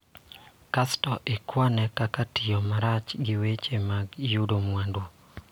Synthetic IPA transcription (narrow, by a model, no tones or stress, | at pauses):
kastɔʔɪkwanɛkakatijɔmaɾat͡ʃɡɪwet͡ʃemaɡjudomwando